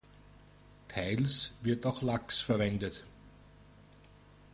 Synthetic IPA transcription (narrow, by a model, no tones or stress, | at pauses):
tʰaɪlsvɪɐtaʊxlaksfɛɐvɛndət